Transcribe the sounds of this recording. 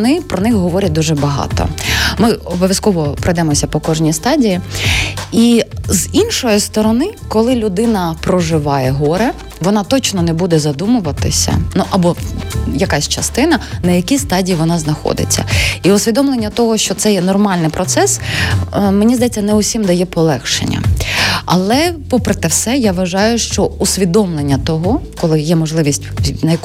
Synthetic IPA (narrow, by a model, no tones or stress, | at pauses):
nɪpɾɔnɪxɦɔʋɔɾʲɐt̚ʲd̪uʒɛbɐɦɑ̰t̪ɔ̰mɪɔbɔʋʲjɐskɔʋɔpɾɪd̪ɛmɔsʲɐpɔkɔʒnʲijst̪ɑdʲiji | izinʃɔjist̪ɔɾɔnɪkɔlˠɪlʲʊd̪ɪnɐpɾɔʒɪʋɑjɛɦɔɾɛ | ʋɔnɑt̪ɔt͡ʃnɔnɛbud̪ɛzɐd̪umʊʋɐt̪ɪsʲɐ̰nuʔɐbɔjɐkɑsʲt͡ʃɐst̪ɪnɐnɐjɐkʲist̪ɑdʲijiʋɔnɑznɐxɔ̰d̪ɪ̰t͡sʲːɐ̰iʊsʲʋʲid̪ɔmlˠenʲːɐt̪ɔɦɔʃt͡ʃɔt̪sɛjɛnɔrmɑlʲnɪjpɾɔt̪sɛs | menʲizd̪ɐjɛt͡sʲːɐnɛʊsʲimd̪ɐjɛpɔlˠɛxʃḛnʲːɐ̰ɐ̰lˠɛpɔpɾet̪ɪwsɛjaʋɐʒɑjʊʃt͡ʃɔʊsʲʋʲid̪ɔmlˠenʲːɐt̪ɔɦɔkɔlˠɪjɛmɔʒlˠɪʋʲisʲtʲnɐjɐk